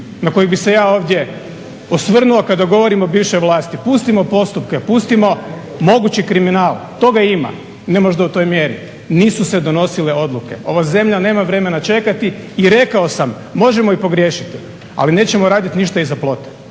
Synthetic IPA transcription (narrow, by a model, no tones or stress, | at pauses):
nako̞jebise̞jaːo̞ːʋd̪ʲje̞ | osʋr̩nuokad̪aɡo̞ʋo̞ɾimobiːʋʃojʋlˠaːst̪ipust̪imo̞po̞st̪upkepust̪imo̞ | mo̞ɡut͡ɕikɾiminaːlˠt̪o̞ɡaima̰ | nemoʒd̪aut̪o̞jmje̞ɾḭ | niːsused̪o̞no̞sile̞o̞d̪lˠuke̞̰o̞̰ʋaze̞mʎane̞ːmaʋɾe̞me̞nat͡ʃe̞kat̪iːɾe̞kao̞samːo̞ʒemoipo̞ɡɾje̞ːʃit̪i | a̰line̞ːt͡ɕe̞moɾaːd̪it̪niʃt̪aizaplˠo̞t̪e̥